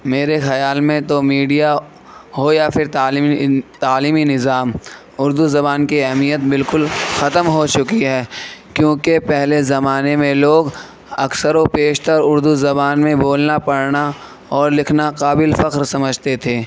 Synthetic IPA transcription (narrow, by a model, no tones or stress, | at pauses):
meːɾexɐjaːlmẽt̪omiːɖija | ɦojafʰɪɾt̪aːlit̪aːliːminɪzaːm | ʊɾd̪uzɐbaːnkiɛɦmijət̪̚bɪlkʊlxɐt̪əmɦot͡ʃʊkiɦɛːkjõːkepɛɦlezɐmaːnemẽloːɡ | ɐksəɾopeːʃt̪əɾʊɾd̪uzɐbaːnmẽboːlnapɐɽna | ɔːɾlɪkʰnaqaːbɪlfɐqɾsɐməd͡ʒʱt̪et̪ʰeː